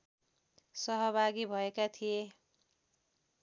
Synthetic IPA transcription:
sʌɦʌbʱaɡibʱʌekat̪ʰije

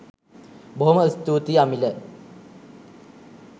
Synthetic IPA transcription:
boɦoməst̪uːt̪iamilə

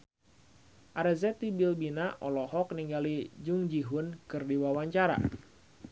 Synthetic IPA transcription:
ʔaɾɛzɛt̪ibilbinaʔɔlɔhɔk̚niŋɡalid͡ʒuŋd͡ʒiɦunkɨrdiwawaɲt͡ʃaɾa̰

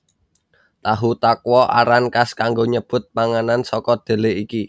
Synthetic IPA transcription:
t̪aɦut̪akwɔʔa̰ɾankaskaŋɡoɲəb̥ʊ̤t̪̚paŋanansɔkɔd̪̥e̤leiki

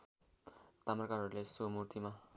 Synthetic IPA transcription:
t̪amrʌkaɾɦʌɾulesomurt̪ʰima

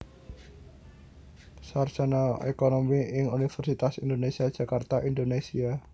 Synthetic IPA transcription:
sarsanaḛkonomiɪŋunifɛrsit̪asind̪onesiad̥ʒ̥a̤kart̪aʔind̪onesia

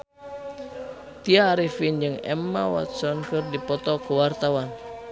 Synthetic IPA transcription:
t̪iaːɾifind͡ʒɨŋɛ̰mːawa̰t̪̚sɔnkɨrdipɔt̪ɔkəwart̪awan

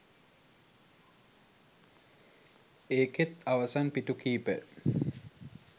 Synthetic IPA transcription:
eːket̪aʋɐsanpiʈukiːpə̰

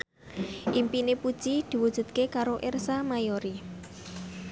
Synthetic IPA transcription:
ʔimpinepud̥ʒ̥id̪̥i̤wud̥ʒ̥ṳt̪̚kekaɾoʔersamajoɾi

